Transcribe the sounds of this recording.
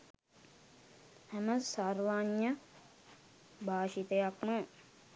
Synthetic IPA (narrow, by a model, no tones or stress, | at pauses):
hæməsarʋaɲːə | bʱaːʃit̪əjakmə